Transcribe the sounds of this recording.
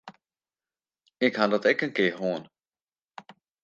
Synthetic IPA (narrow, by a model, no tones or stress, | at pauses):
ɪkhadɔtɛkənkɪːɦoən